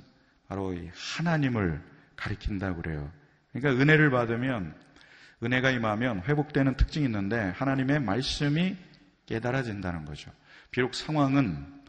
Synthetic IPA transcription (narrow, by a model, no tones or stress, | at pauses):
pa̰ɾoḭhanaɲimɯɭ | kaɾikʰindaɡɯɾe̞̰jo̰ | kɯɲik͈aɯne̞ɾɯɭpadɯmjʌn | ɯne̞ɡaimamjʌnɸwe̞bok̚t͈we̞nɯntʰɯ̥k̚t͡ɕ͈iŋinːɯnde̞hanaɲime̞maɭs͈ɯmi | k͈e̞daɾad͡ʑindanɯnɡʌ̰d͡ʑo̰ | piɾok̚sʰaŋwaŋɯn